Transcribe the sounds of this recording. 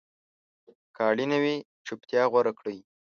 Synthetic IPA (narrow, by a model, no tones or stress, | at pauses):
kɑɽinawi | t͡ʃʊpt̪jɑɣwaɾakɽəj